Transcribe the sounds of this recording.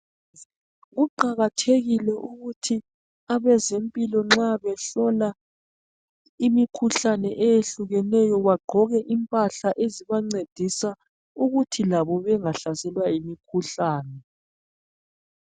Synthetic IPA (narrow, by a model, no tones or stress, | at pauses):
ɣuǃaɣatʰeɣilɛʔuɣutʰi | aβɛzempʼilɔŋ͡ǁaβɛɬɔla | imikʰuɬanɛʔɛjeɬuɣɛnɛjɔβaɡ͡ǃʱɔɣɛʔimpʼaɬaʔeziβaŋ͡ǀed̥ʱisa | uɣutʰilaβɔβɛŋaɬasɛlwaimikʰuɬaːnɛ